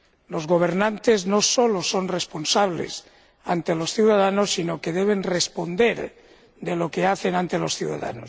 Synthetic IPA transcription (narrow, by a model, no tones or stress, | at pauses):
lo̞zɣo̞β̞e̞ɾnãnt̪e̞zno̞so̞loso̞nrespo̞nsaβlḛs | ant̪elo̞sθjuwðaðano̞sːinoke̞ðe̞β̞e̞nrespo̞nd̪e̞ɾ | d̪elo̞keaθe̞nãnt̪e̞lo̞sθjṵða̰ða̰no̰s